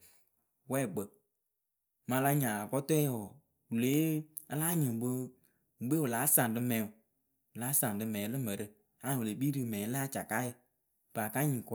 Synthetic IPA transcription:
wɛ˦˨ɡ͡bə˨ | mã˧la˧˦ɲã˨a˨kɔ˦tɛ˦jɔ˨ | wu˨leː˨˦ | ə˧˦laː˦ɲĩ˨ɡ͡bo˦ | ŋ̩˨ɡ͡be˦wɨ˨laː˨˦sã˨ŋ˨dɨ˧mɛ̃˨˦˨ | wɨ˨laː˨˦sã˨ŋ˨dɨ˧mɛ̃ː˨˦lɨ˦mə˨ɾɨ˧ | a˨wu˨le˨˦ɓiː˦ɾɨ˨mɛ̃˨˦la˦t͡ʃa˨ka˦jə˧ | b̥a˨ka˦ɲĩ˨kɔ˦

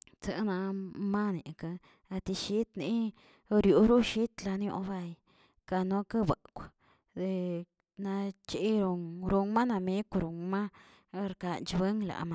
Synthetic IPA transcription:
t͡sa˧˨na˧ma˦ni˨ka˧ | a˧t̪i˧ʃi˦t̪ni˦˧ | ɾju˨ɾu˦ʃi˦t̪la˧n˦o̰˧˦ba˧j | ka˧no˧ka˦ba˨kʷa˨ | d̪e˧ | na˧t͡ʃi˦ɾo˧ŋɾu˧ŋma˦na˧me˦kʷɾu˨ŋma˦ | ɾka˧nt͡ʃbe˦ŋla̰˨ma˧

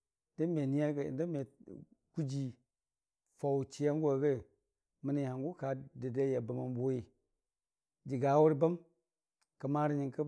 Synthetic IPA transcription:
də˦me˨ni˦ja̰˦˨ndə˦me˨ | ku˦d͡ʒi˨ | fa˨wt͡ʃi˨ja˦ŋɡʷa˨ɡə˦˨ | mə˨ni˨ha˨ŋɡu˦ka˨də˨de˦ja˨ba˨ma˨mbo˦ji˨ | d͡ʒi˨ɡa˨˦wu˦ɾba˦m | ka˨ma˦ɾi˦ɲi˨ŋkə˦

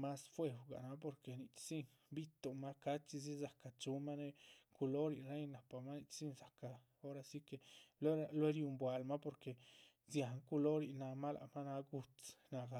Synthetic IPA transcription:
ma˦sfwe˧wɡa̰˨na˦p̬o˧ɾke˨ni˨t͡ʃsi˦˧n | bi˦t̪o˨ma˦ka˦t͡ʃi˧z̬i˦za˨ka˨t͡ʃu˧ma˦ne˧ku˧lo˦ɾi˨ɾe˦jna˨pa˨ma˦ni˧t͡ʃsi˦nsa˨ka˨ | o˦ɾa˧si˦ke˧˨le˦a˧le˦ɾju˧mbwa˨lma˦po˧ɾke˨ | zja˨ŋku˧lo˦ɾi˧˨na˧ma˦la̰˧ma˦na˧ɡu˧t͡sna˧ɡa˧

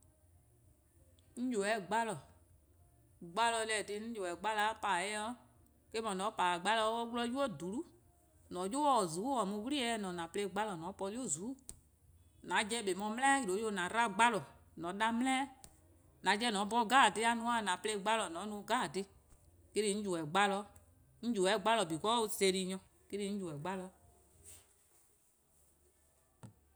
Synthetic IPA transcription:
n̩˦d͡ʒo˨ɛ˨ɡ͡ba˦lɔ˨ | ɡ͡ba˦lɔ˧lɛ˨de˧ñ̩˦jo˨ɛ˨ɡ͡ba˦la˦pa˨jɛ˦ɔ˦ | ke˦mɔ̃˨nɔ̃˨˦pa˨ɡ͡ba˦lɔ˧˦o˦wlɔ˧˦ju˦ɔ˦˨du˨˦lu˦ | nɔ̃˨˦jo˦wɔ˦˨zu˨˦ɔ˨mũ˧˦wu˦ɾi˦ɛ˧˦nɔ̃˨nã˨ple˧˨ɡ͡ba˦lɔ˨nɔ̃˨˦pɔ˧li˦o˦˨zu˨˦ | nã˨˦d͡ʒɛ˧˦ɓe˨mɔ̃˧m˦ɛ̃˦ji˦ɾo˨˦jo˧˨nã˨˦ɾa˦ɡ͡ba˦lɔ˨ | nɔ̃˨˦ɗa˧mlɛ̃˦ | nã˨˦d͡ʒɛ˧˦˨nɔ̃˨˦bɔ˧ɡaː˦˨te˦a˧˦nũ˧˦ã˦˨nã˨ple˧˦˨ɡ͡ba˦lɔ˨nɔ̃˨˦nũ˧˦ɡaː˦˨te˧ | ke˦ɾi˧˦ɲ̩˦d͡ʒu˨ɛ˨ɡ͡ba˦lɔ˧˦ | ɲ̩˦d͡ʒu˨ɛ˨˦ɡ͡ba˦lɔ˨bi˨kɔ˦o˧se˧˨ɾi˧ɲɔ̃˧ | ke˦ɾi˦˧˦ɲ̩˦d͡ʒu˨ɛ˨ɡ͡ba˦lɔ˧˦

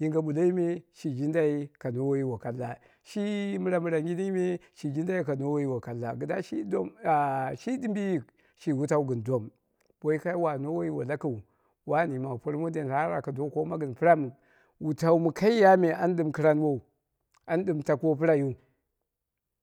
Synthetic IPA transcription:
ji˦ŋɡa˨ɓu˨la˦i˦me˦ʃi˨d͡ʒi˦nda˦i˦ka˨no˦wo˦i˦wo˨ka˨lːa˨ | ʃi˦mu˦ɾa˦mu˦ɾa˨ŋɡʲi˦ni˦me˦ʃi˨d͡ʒi˦nda˦ji˦ka˨no˦wo˦i˦wo˨ka˨lːa˨ɡə˨da˦ʃi˦do˦m˨ʃi˦di˦mbi˦ji˨ | ʃi˨wu˦ta˦u˦ɡə˨ndo˦m | b̥o˦i˦ka˦wa˨no˦wo˦i˦wa˨la˦ku˨u˨ | wa˦ni˨ma˨po˦ɾmu˦de˨n˨ɾa˦ɾa̰˨ka˨do˦ko˦ma˦ɡə˨npi˦ɾa˦m˨ | wu˨ta˦u˦mu˨ka˦i˦ja˦me˨a˦n˦ɗɨ˦˨mki˦ɾa˦n˦wo˦u˨ | a˦n˦di˦˨mta˨kʷo˦pi˦ɾa˦ju˦˨

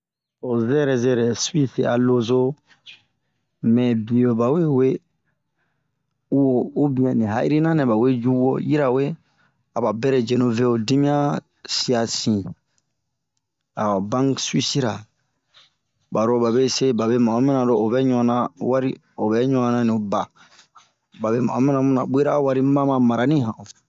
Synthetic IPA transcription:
o˨zɛ˦ɾɛ˨zɛ˦ɾɛ˨su˦i˦si˨a̰˨lo˦zo˦ | mɛ̃˨bi˨o˨ba˨we˦we˦ | u˦wo˨u˦bĩ˨ɛ̃˨nĩ˨ɦa̰˦ʔḭ˦ɾi˦nã˦nɛ˨ba˨we˦d͡ʒu˦wo˦ji˦ɾa˨we˦ | a˨ba˨bɛ˦ɾɛ˨d͡ʒe˨no˨ve˦o˨di˦mĩ˦ã˦ | si˦a˨sĩ˨ | a˨wa˨bã˦ŋswi˦si˦ɾa˨ | ba˨ɾo˦ba˨be˦se˦ba˨be˦ma˨˦mĩ˦nã˨do˨o˨bɛ˦ɲɔ˦ã˦nã˦wa˦ɾi˦ | o˨bɛ˦ɲɔ˦ã˨nã˦nĩ˨ba˨ | ba˨be˦ma̰˨˦mĩ˦nã˨mũ˦nã˨be˦ɾa˦wa˦ɾi˦mã˦mã˨ma˨ɾa˨nĩ˦ɦã˨o˨

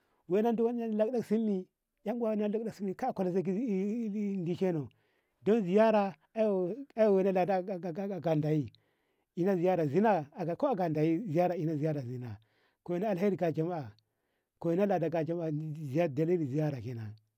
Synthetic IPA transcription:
we˦na˦n˦du˦wa˦la˦kda˦ksi˦mːi˨ | ja˦ŋɡwa˦na˦la˦kda˦si˦mːi˨ka˦˨ka˨la˨za˦k̬i˦ndi˦ʃe˦no˨ | do˦nzi˨ja˦ɾa˨ | a˦jo˨a˦jo˦˨we˨˦na˦la˨da˦˨˦ɡa˨nda˨ji˦ | i˨na˦zi˨ja˦ɾa˨zi˦na˦a˨a˨ko˦a˨ɡa˨nda˨ji˦zi˨ja˦ɾa˨i˨na˦zi˨ja˦ɾa˨zi˨na˨ | ko˨wi˦na˦a˨ha˦ɾi˨ɡa˨d͡ʒa˨ma˦a˨ | ko˨i˨˦na˦la˨da˨ɡa˨d͡ʒa˨ma˦a˨˦zi˨ja˦˨da˨li˦li˨zi˨ja˦ɾa˨ki˦na˨

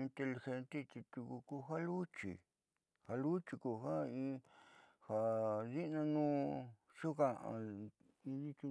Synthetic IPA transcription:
i˧nt̪e˧li˧xe˧nt̪e˦t͡ʃ̪i˧t̪u˧ku˧ku˧ɦa˦lu˦t͡ʃḭ˨ | ha˧lu˦t͡ʃi˧ku˧ɦa˦ĩ˧ | ha˨ði˦nã˧nũː˦ | ʃu˦ka˧ʔã̰˧ | ĩ˧ði˦t͡ʃi˧

